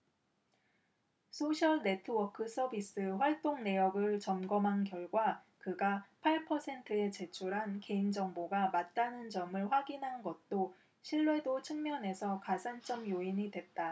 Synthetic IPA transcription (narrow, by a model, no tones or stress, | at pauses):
sʰoɕʰʌɭne̞tʰɯwʌkʰɯs͈ʰʌbis͈ɯɸwaɭt͈oŋne̞jʌɡɯɭt͡ɕʌmɡʌmɦankjʌɭɡwa | kɯɡapʰaɭpʰʌsʰe̞ntʰɯe̞t͡ɕe̞t͡ɕʰuɾɦanke̞ind͡ʑʌŋboɡamat̚t͈anɯnd͡ʑʌmɯɭɸwaɡinɦanɡʌt̚t͈o | ɕʰiɭːwe̞dot͡ɕʰɯŋmjʌne̞sʰʌkasʰant͡ɕ͈ʌmjoiɲidwe̞t̚t͈a